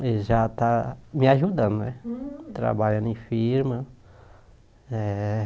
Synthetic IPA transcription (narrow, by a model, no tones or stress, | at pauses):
eʒat̪amɪaʒud̪ɐ̃nd̪ʊnɛt̪ɾa̰baʎɐ̃nẽfiɾmɐ | ɛ